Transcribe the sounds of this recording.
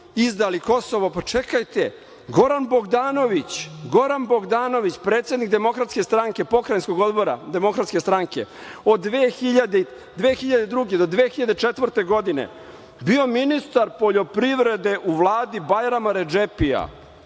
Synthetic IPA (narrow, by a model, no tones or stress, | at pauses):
izd̪aliko̞so̞ʋopat͡ʂekajt̪e | ɡo̞ɾanbo̞ɡd̪aːno̞ʋit͡ɕɡo̞ɾanbo̞ɡd̪aːno̞ʋit͡ɕpɾeːt̪se̞d̪nikd̪e̞mo̞kɾat̪ske̞st̪ɾaŋke̞po̞kɾajnskoɡo̞d̪bo̞ɾa̰d̪e̞mo̞kɾat̪skest̪ɾaŋke̞̰o̞d̪ːʋeːxiʎad̪e | d̪ʋeːxiʎad̪ed̪ɾuɡe̞d̪od̪ʋeːxiʎad̪et͡ʂet̪ʋrɾt̪e̞ɡo̞d̪inḛ | bio̞minist̪aɾpoʎo̞pɾiʋɾe̞d̪e̞ʔuʋlˠaːd̪ibajɾamaɾed͡ʒepia̰